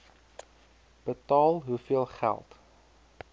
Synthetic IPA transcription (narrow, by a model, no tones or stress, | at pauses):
b̥ətɑːlˠɦufiəlˠχæ̰lˠt